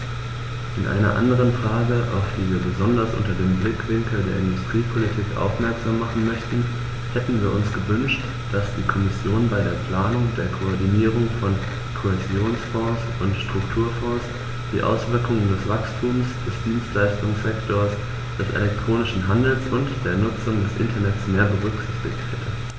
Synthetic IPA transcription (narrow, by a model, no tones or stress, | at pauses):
ʔɪnʔa̰ɪnɐ̰ʔa̰ndəʁ̞ənfʁ̥aːɡəʔa̰ʊfv̥iːviːɐbəzɔndɐsʔʊ̰ntɐdeːmblɪkv̥ɪŋkl̩deːɐɪndʊstʁ̥iːpʰolitʰiːkʔa̰ʊfmɛɐkz̥aːmːaχn̩mœçtn̩ | hɛtn̩viːɐʔʊnsɡ̥əvʏnʃt | d̥asd̥iːkʰɔmɪsjoːnbaɪɾeːɐpl̥aːnʊŋdeːɐkʰoɔɐdiniːʁ̞ʊŋfɔn | kʰoɛzjoːnsfɔ̃ːs | ʊntʃtʁ̥ʊktʰuːɐfɔ̃ːs | d̥iːʔa̰ʊsv̥ɪɐkʊŋəndɛsv̥akstʰuːmsd̥ɛsd̥iːnstlaɪstʊŋsz̥ɛktʰoːɐs | d̥ɛsʔḛlɛktʁ̥oːnɪʃn̩ɦandl̩sʔʊntd̥eːɐnʊt͡sʊŋdɛsʔɪ̰ntʰɐnɛtsmeːɐbəʁʏkz̥ɪçtɪçtʰhɛtʰə